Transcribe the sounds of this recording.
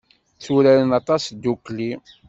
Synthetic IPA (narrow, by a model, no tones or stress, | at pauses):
θuɾæɾənɑt̪ˤɑsd̪ukli